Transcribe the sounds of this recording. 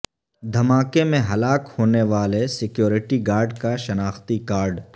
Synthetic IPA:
d̪ʱɐmaːkemẽɦɐlaːkhoːneʋaːlesɪkjoːɾɪʈiɡaːɾɖkaʃɐnaːxt̪ikaːɾɖ

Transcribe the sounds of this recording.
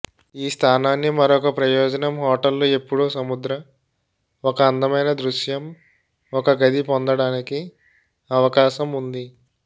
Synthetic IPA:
iːst̪ʰaːnaːnːimɐɾɔkɐpɾɐjoːd͡ʒɐnɐmɦɔːʈɐlːoːe̞pːuɽoːsɐmud̪ɾɐ | ɔkɐːnd̪ɐmɐjnɐd̪ɾuʃjɐm | ɔkɐɡɐd̪ipond̪ɐɽaːniki | ɐʋɐkaːʃɐmund̪i

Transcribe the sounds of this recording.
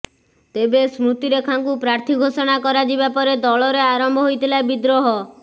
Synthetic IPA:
t̪ebesmɾut̪iɾekʰaŋkupɾaɾt̪ʰiɡʱosɔɽ̃akɔɾad͡ʒibapɔɾed̪ɔɭɔɾeaɾɔmbʱɔɦojt̪ʰilaebid̪ɾoɦɔ

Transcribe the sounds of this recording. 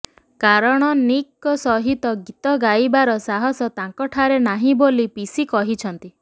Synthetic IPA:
kaɾɔɽ̃ɔnikːɔsɔɦit̪ɔɡit̪ɔɡajbaɾɔsaɦɔsɔt̪ãŋkɔʈʰaɾenaɦĩbolipisikɔɦit͡ʃʰɔnt̪i

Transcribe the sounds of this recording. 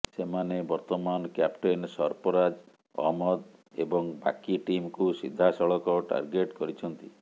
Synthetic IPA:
semanebɔɾt̪ɔmanɔkjapʈensɔɾpɔɾad͡ʒ | ɔ̰ɦmɔd̪ebɔŋba̰kiʈimkusḭd̪ʱːasɔɭɔkɔʈa̰ɾɡeʈkɔɾit͡ʃʰɔnt̪i

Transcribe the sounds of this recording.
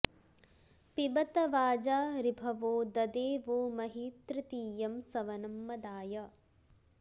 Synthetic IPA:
pibɐt̪ɐʋaːd͡ʒaːɾibʱɐʋoːd̪ɐd̪eːʋoːmɐɦiːt̪ɾit̪iːjɐmsɐʋɐnɐmːɐd̪aːjɐ

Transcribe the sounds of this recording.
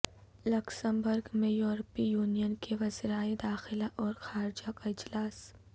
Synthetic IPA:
lʊksə̃mbʊɾɡmẽjoːɾpijuːnijənkeʋɐzɾaːed̪aːxɪlaʔɔːɾxaːɾd͡ʒakaɪd͡ʒlaːs

